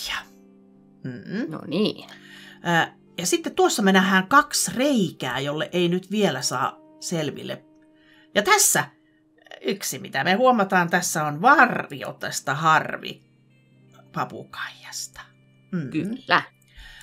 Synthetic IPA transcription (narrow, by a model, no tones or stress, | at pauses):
jɑ̥ | m̩ːno̰niː | jɑsit̪ːett̪uosːɑmenæhæːŋkɑksreikæ̰ːjolːeʔeinyt̪ʋielæsɑ̰ː | selʋḭlːḛ | jɑt̪æsːæ | yksimit̪æmehuomɑt̪ɑːnt̪æsːæonʋɑrʋio̰t̪est̪ɑhɑrʋḭ | pɑpṵkɑ̥ijɑ̥st̪ɑ̥ | m̩ːkylːæ